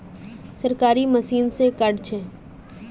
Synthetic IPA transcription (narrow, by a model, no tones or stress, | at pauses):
səɾkaːɾiməsiːnsekɐɖt͡ʃʰeː